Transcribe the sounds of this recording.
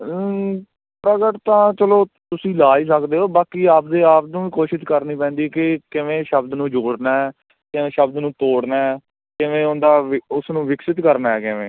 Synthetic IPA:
pɾəɡəʈt̪ãːt͡ʃəloː | t̪ʊsĩːlaːiːs̬əkd̪eːɦoːbaːkiːaːp̚d̪eːaːp̚nũːiːkoːʃɪʃkəɾniːpɛ̃ːnd̪iːkɪkɪʋẽːʃəbd̪nũːd͡ʒoːɽnaːɛː | kɪʋẽːʃəbd̪nũːt̪oːɽnaːɛ | kɪʋẽːʊnd̪aːɪʊsnũːʋɪksɪt̪kəɾnaːɦɛːkɪʋḛ̃ː

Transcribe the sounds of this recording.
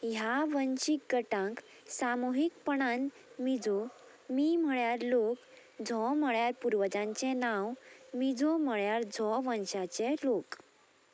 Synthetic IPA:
jaʋənɕikɡəʈãŋk | samoɦikpəɽan | mid͡zo | mim̤əɭjaɾlok | d͡zʱɔm̤əɭjaɾpuɾʋəd͡zãɲt͡sɛnãwmid͡zʱom̤əɭjaɾd͡zʱɔʋə̃nɕat͡selok

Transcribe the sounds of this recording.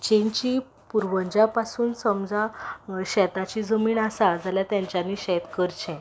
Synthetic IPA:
t͡ɕẽɲt͡ɕiː | puɾʋəɲd͡ʑapasuːnsəmd͡zaɕɛt̪at͡ɕiːd͡zəmiːɳasad͡zʱaljat̪jãɲt͡ɕjanːiɕɛt̪kəɾt͡ɕʰɛ̃

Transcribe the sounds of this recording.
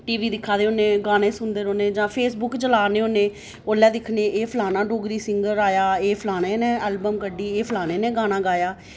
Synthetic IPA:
ʈiːʋiːd̪ɪkʰːaːd̪eːoneːɡaːñẽːsʊnd̪eːɾoːneːd͡ʒãːpʰeːsbʊkt͡ʃəlaːnẽːoːnẽː | oːlːɛːd̪ɪkʰneːʔeːpʰlaːnãːɖoːɡɾiːsɪ̃ŋɡəɾaːjaːeːpʰlaːneːnẽːɛːlbəmkəɖiːeːpʰlaːneːnẽːɡaːnãːɡaːjaː

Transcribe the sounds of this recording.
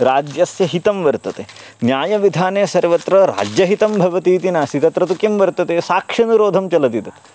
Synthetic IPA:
ɾaːd͡ʒjɐsjɐɦit̪ɐmʋɐɾt̪ɐt̪e | njaːjɐʋid̪ʱaːneːsɐɾʋɐt̪ɾɐɾa̰ːd͡ʒjɐɦit̪ɐmbʱɐʋɐt̪iːt̪inɐsit̪ɐt̪ɾɐt̪ukjɐmʋɐɾt̪ɐt̪esaːkʂɐnuɾoːd̪ʱɐmt͡ʃɐlɐd̪it̪ɐt̪e

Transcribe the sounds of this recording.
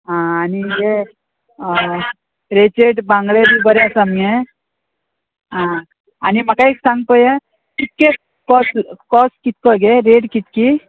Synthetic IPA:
ɦãːnije | ɾet͡ɕeʈbãŋɡɭed̪ibəɾeasamẽ | ɦã | anim̤akaeksãŋɡ̚pəje | kit̪̚ke | kɔskɔskit̪̚kəɡeɾeɽkit̪ki

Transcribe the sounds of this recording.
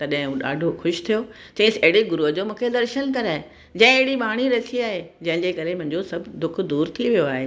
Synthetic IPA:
t̪ɐɗɦɪ̃ɗa̰ːɖʱoxʊʃt̪ʰijo | t͡ɕɐ̃ːseɪɽeɡʊɾuəd͡ʑoːmũːkʰed̪ɐɾʃənkɐɾaːɦe | d͡ʑɐ̃ɦɪ̃eɽiɓaːɽ̃iɾɐsʰiaːɦed͡ʑɐ̃ɦɪ̃ɲd͡ʑeːkɐɾemʊ̃ɦɪ̃ɲd͡ʑosɐbʱd̪ʊkʰd̪uːɾt̪ʰiʋijoaːɦeː

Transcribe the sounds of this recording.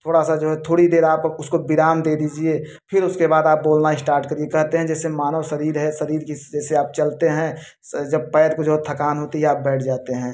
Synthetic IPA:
t̪ʰoːɽasad͡ʒoːɦɛt̪ʰoːɽid̪eːɾaːpʊskobɪɾaːmd̪eːd̪iːd͡ʒie | pʰɪɾʊskebaːd̪aːp̚boːlnaɪsʈaːɾʈkəɾiekɐɦt̪eɦɛ̃d͡ʒɛːsemaːnosɐɾiːɾɦɛsɐɾiːɾkid͡ʒɛːseaːp̚t͡ʃɐlt̪eɦɛ̃ | d͡ʒɐb̚pɛːjɾ̚kod͡ʒot̪ʰɐkaːnɦoːt̪iɦɛaːp̚bɛːʈʰd͡ʒaːt̪eɦɛ̃ː

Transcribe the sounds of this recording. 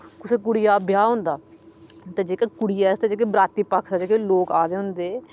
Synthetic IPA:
kʊseːk̬ʊɽɪjaːbjaːɦʊ̃ːnd̪aː | t̪eːd͡ʒeːkaːkʊɽɪjaːst̪eːd͡ʒeːk̬ebɾaːt̪iːpəkʰɛːd͡ʒeːkeloːkaːd̪eːɦʊnd̪eː

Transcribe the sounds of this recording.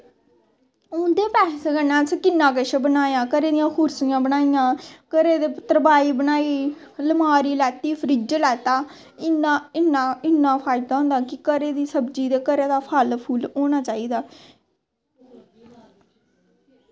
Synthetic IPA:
ʊ̃ːd̪eːpɛːseːɡənãːskɪnːãːkəʃebənaːjãːkəɾeːd̪ɪjãːkʰʊɾsɪjãːbənaːɪjãːkəɾeːd̪eːpət̪ɾəbaːiːbənaːiː | ləmaːɾiːlɛːt̪iːfʰɾɪd͡ʒlɛːt̪aː | ɪnaɪnaːɪnːãːpʰaːɪd̪aːɦʊ̃ːnd̪aːkɪkəɾeːd̪iːsəbd͡ʒiːd̪eːkəɾeːd̪aːpʰalpʰuːloːñaːt͡ʃaːiːd̪aː

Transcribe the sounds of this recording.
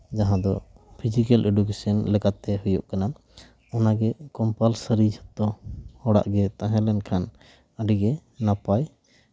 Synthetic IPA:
d͡ʒaɦãd̪ɔ | pʰid͡ʒikɛlʔeɖukesənlɛkat̪ːɛɦujɔʔkana | ɔnaɡɛkɔmpalsəɾid͡ʒɔt̪̚ːɔhɔɽa̰ʔɡɛt̪ãɦɛ̃lɛnkʰan | əɖiɡɛnapaj

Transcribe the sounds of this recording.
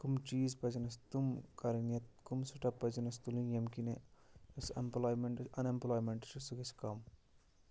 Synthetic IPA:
kumt͡ʃiːzpɐd͡ʒɐnɐst̪umkɐɾinjɐt̪̚kumsuʈɐpɐd͡ʒɐnɐst̪ulinjemkineɐsemplaːjmeɳʈɐnemplaːjmeɳʈɐ̥ʃusuɡɐskɐm

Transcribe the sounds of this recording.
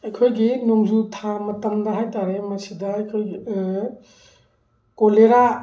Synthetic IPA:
ɐjkʰojɡinoŋzutʰamɐtɐmdɐɦajtaɾemɐsidɐːjkʰoj | koleɾa

